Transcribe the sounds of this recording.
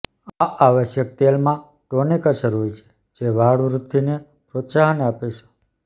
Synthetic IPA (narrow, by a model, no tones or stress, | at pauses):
aʔaʋəʃjək̚t̪elmã | ʈonikaʃəɾut͡ʃʰe̥ | d͡ʒeʋaɽʋɾut̪ːine | pɾot̪saɦəneapeʃe̥